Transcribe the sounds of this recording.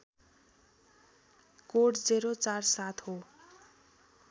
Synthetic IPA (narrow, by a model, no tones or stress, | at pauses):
koʈd͡zeɾot͡sarsat̪ʰɦo